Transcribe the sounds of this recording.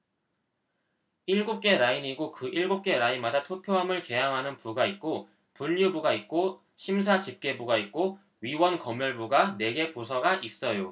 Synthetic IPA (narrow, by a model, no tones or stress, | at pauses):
iɭɡup̚k͈e̞ɾaiɲiɡokɯʔiɭɡup̚k͈e̞ɾainmadatʰupʰjoɦamɯɭke̞jaŋɦanɯnpuɡait̚k͈o | puʎːubuɡait̚k͈o | ɕʰims̬ʰat͡ɕip̚k͈e̞buɡait̚k͈o | ɥiwʌnkʌmjʌɭbuɡane̞ɡe̞pusʰʌɡaʔis͈ʌjo